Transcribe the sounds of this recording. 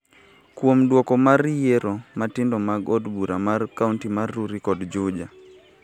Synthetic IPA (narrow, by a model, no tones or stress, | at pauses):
kwomdwokɔmaɾjeɾomatɪndɔmaɡɔdbuɾamarkauntimarːuɾikɔdd͡ʒʊd͡ʒa